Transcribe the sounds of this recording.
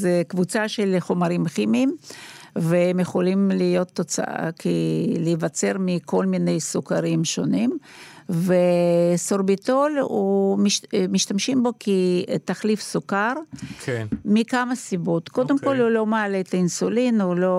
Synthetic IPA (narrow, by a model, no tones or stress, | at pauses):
zekvut͡saʃelχomaɾimχimim | veemjeχolimlijo̞t̪ːot͡sa̰ʔa̰kilivat͡se̞ʁmiko̞lminejsukaʁimʃonim | vesoɾbit̪olumiʃmiʃt̪amʃimbo̞kʰit̪aχlifsukaɾkʰmikamasibot̪kod̪emko̞lulo̞maːlet̪ainsulinulo